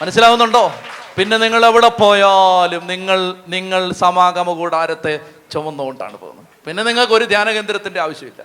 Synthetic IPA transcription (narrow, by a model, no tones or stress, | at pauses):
mɐnɐsːilaːɣunːuɳɖo̞ːpinːe̞niŋːɐɭeʋiɽepo̞ːjaːlumniŋːɐɭniŋːɐɭsɐmaːɡɐmɐkuːɽaːɾɐt̪ːe̞ | t͡ɕomːunːoɣoɳɖa̰ːɳɨpo̰ːṵnːɐ | pinːe̞niŋːɐɭko̞ɾud̪ʱjaːnɐɣend̪ɾɐt̪ːinde̞aːʋɐɕjɐmilːɐ̰